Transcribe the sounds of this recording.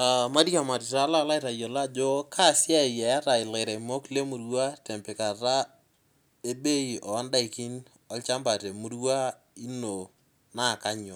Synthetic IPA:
a˨ma˦di˦ka˨ma˨ti˨ta˦la˦la˦ɪ˦ta˨jɔ˨la˦d͡ʒo˦kʰa˦˨sja˦ɪ˨jɛ˨a˦ta˨ɪ˨le˨ɾɛ˨mo˦kle˦mu˨ɾwa˦tɛ˨mpɛ˨ka˨ɾa˦ | e˦be˦i˨ʔɔ˨ɔ˦nda˦i˨ki˦n | ɔlt͡ʃa˦mba˨tɛ˨mu˦ɾwa˦ | i˦no˨ | na˦˨ka˦ɲɔ˨

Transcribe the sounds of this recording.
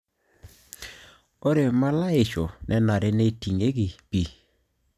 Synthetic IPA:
o˦ɾe˨ma˦la˦ɪ˨t͡ʃo˨nʔɛ˦na˨ɾe˦ne˦ti˨ŋe˦ɡi˨pi˨

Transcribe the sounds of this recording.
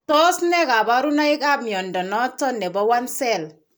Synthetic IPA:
tɔ˦snɛ˦ka˨ba˦ɾu˦na˦ɪ˦ka˦bmjɔ˨ndɔ˨nɔ˦tːɔ˦nːɛ˨bɔ˦wa˦nsɛ˦˨l

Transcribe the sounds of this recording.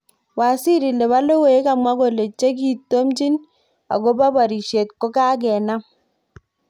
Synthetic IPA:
wa˨si˦ɾi˨le˨βa˦lo˦wo˦e˦ka˨mwa˦ko˦˨le˨t͡ʃe˦k̬i˨tːo˦mt͡ʃi˦n | a̰˨ɡo˦ba˦ba˨ɾi˨ʃe˨t̚ko˦ka˦ɡɛ˨na˦

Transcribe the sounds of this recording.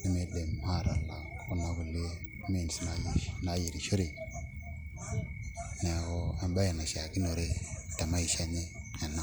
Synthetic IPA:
i˦me˦de˨m˦ha˦˨ɾa˨la˨ku˦na˦ɡu˨lːe˦ | me˦˨n˨sna˨jna˦ji˨ɾi˨ʃo˦ɾi˨ | ne˨ko˦a˨mba˦je˨na˨ʃa˨ki˦no˨ɾe˦ta˨ma˦ji˨ʃa˦ni˦a˨na˦

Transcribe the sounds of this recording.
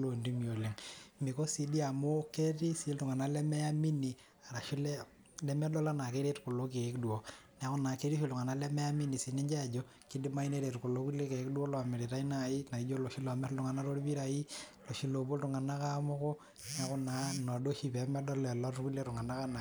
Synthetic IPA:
lo˨ndi˦mi˨o˨le˨ŋmi˨ko˦si˨di˦a˨mʊ˦ke˦ti˦si˨˦ltʊ˨ŋa˨na˦lɛ˦mɛ˦a˦mi˦ni˨ | a˨ɾa˨ʃi˦lɛ˦ | lɛ˦mɛ˦dɔ˦la˦na˨ke˦ɾe˦tkʊ˨lo˦k̬e˨˦kdu˨o˨n˨a˦kʊ˦naː˨ke˦ɾi˦ʃi˦ltʊ˨ŋa˨na˦lɛ˦mɛ˦ja˦mi˦ni˨si˨nɛ˦ɲd͡ʒa˦˨d͡ʒɔ˦ | ki˦di˦ma˦i˦ne˦ɾe˨tkʊ˨lo˦ku˦le˦ke˨˦kdu˦o˦lɔ˨a˨me˨ɾe˨ta˦i˦na˦˨i˦na˨i˦d͡ʒo˦lo˨ʃi˦lɔ˨a˨mɛ˦ttʊ˨ŋa˨na˦ɾo˦ɾi˦pi˦ɾa˨i˦lo˨ʃi˦lo˨bo˦ltʊ˨ŋa˨na˦ka˦mʊ˦kɔ˦ | n˨a˦kʊ˦na˨nɔ˨do˦ʃi˦pɛ˨˦mɛ˦dɔ˦lɛ˨lɔ˦tku˦le˦tu˨ŋa˨na˦ka˦na˨

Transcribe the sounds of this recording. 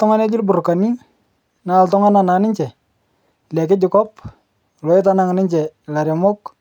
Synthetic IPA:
tɔ˦ŋa˦ne˦d͡ʒɪ˦lbʊ˨ɾka˨ni˦ | na˦˨ltɔ˦ŋa˦na˨na˨˦nɪ˦ɲt͡ʃɛ˨ | lɛ˨kɪ˦d͡ʒɪ˨kɔ˦p | lɔ˨˦ɪ˦ta˦na˦ŋ˨nɪ˦ɲt͡ʃɛ˨la˨ɾja˨mɔ˦k

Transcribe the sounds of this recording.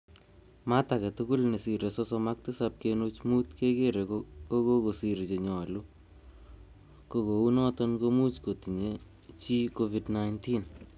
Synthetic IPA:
matakɛ˨tuku˦lne˨si˨ɾe˨sɔsɔmak̚tɨ˦sap̚keno˦t͡ʃmu˦tkekeɾekkoko˦ko˨si˨ɾt͡ʃe˨ɲɔ˨lu˦ | koko˨u˦nɔ˦tɔnkomu˦t͡ʃko˨ti˨ɲe | t͡ʃi˦kovidnajntin

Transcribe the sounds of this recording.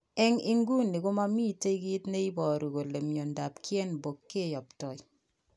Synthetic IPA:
ɛ˦ŋɪ˦ŋɡu˦nːɪ˨ko˦ma˦mi˦te˦i˦ɡi˦tne˦i˦bɔ˨ɾu˨ko˨le˨mjo˨nda˨pkje˦nbo˨kːe˦˨jɔ˨ptɔ˨j

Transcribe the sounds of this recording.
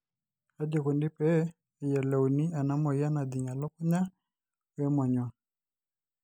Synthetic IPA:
a˨˦d͡ʒɛ˨ku˨ndi˦pɛ˦˨ | ja˨lɛ˨u˨ni˦a˨na˨˦mɔ˨ja˦na˨d̪i˨ɲa˨lɔ˦ku˦ɲa˦ | wɛ˦mɔ˨ɲwɔ˨

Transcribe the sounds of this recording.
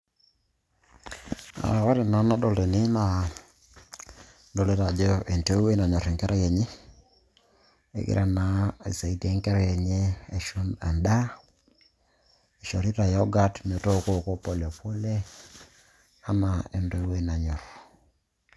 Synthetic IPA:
a̰˨ɣa˦ɾe˨na˨˦na˦do˨le˨ni˦na˨ | do˨le˦ɾa˨d͡ʒo˦ʔe˨nto˦we˦na˨ɲɔ˨ɾe˨ŋkɛ˦ɾa˦jɛ˨ɲe˦ | ḛ˨ɡɪ̰˦ɾʔa˦na˨ḛ˨sa˨i˨de˨˦ŋkɛ˦ɾa˦je˨ɲe˦e˨ʃu˦na˨nda˦ | e˨ʃo˨ɾi˦ɾa˨jɔ˦ɡa˦tm˨o˨to˦ko˦˨ko˦po˦˨ljɔ˨po˦le˦ | a˦na˨e˨ndo˦we˦na˨ɲɔ˨ɾ

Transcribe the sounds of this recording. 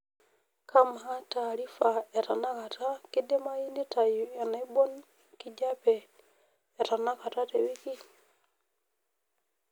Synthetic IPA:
kʰa˦mɦa˦ta˨ɾi˦fa˨ɛ˨ɾa˨na˦ka˨ta˦ki˦dɛ˦ma˦i˦ni˦ta˨jja˨na˨i˦bɔ˦n | ki˨d͡ʒa˦pɛː˨ | ɾa˨na˦ka˨ta˦tɛ˨wi˦ki˦

